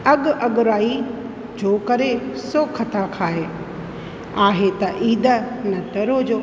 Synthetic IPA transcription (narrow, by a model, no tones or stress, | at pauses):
ɐɠʊʔɐɠʊɾaːi | d͡ʑoːkɐɾesoːkʰɐt̪akʰaːɦe | aːɦet̪ɐʔiːd̪ənɐt̪ɐɾod͡ʑoː